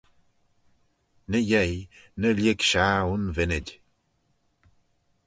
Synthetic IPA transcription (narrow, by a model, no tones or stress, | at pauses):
nəjɛjnəljɪɡʃaunvɪnɪdʲ